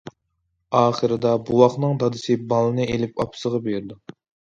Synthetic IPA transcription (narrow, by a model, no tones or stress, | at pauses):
ɑːχəɾɨd̪ɑbuwɑχnɨŋd̪ɑd̪ɨsɪbɑlˠɨnɨelɪpɑ̰pʰsəʁɑbeɾɪd̪u